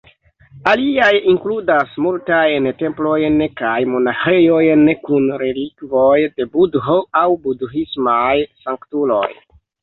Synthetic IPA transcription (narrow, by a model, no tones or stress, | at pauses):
aliajiŋkludasmultajnte̞mplo̞jnkajmo̞naxe̞jo̞jnkunɾe̞likvo̞jde̞budɦoawbudɦismajsaŋktulo̞̰j